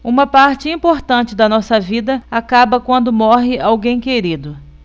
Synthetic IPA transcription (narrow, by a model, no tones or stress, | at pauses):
ũmɐpaɾt͡ʃɪĩpoɾt̪ɐ̃nt͡ʃɪd̪ɐnɔsɐvid̪ɐakabɐkwɐ̃nd̪ʊmɔɦɪawɡẽj̃keɾid̪ʊ